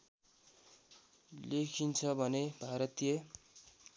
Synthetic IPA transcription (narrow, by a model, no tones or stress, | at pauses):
lekʰint͡sʰʌbʱʌnebʱaɾʌt̪je